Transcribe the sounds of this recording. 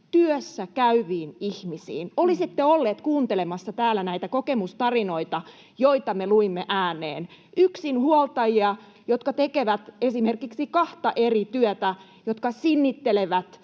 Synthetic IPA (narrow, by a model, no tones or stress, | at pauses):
t̪yøsːækæyʋiːnihmisḭːnolisit̪ːeolːeːt̪kuːnt̪elemɑsːɑt̪æːlːænæit̪ækokemust̪ɑrinoit̪ɑ | joit̪ɑmeluimːeʔæːnḛːnyksinhuolt̪ɑjiɑ | jot̪kɑt̪ekeʋæt̪esimerkiksikɑht̪ɑʔerit̪yøt̪æ | jot̪kɑsinːit̪ːeleʋæt̪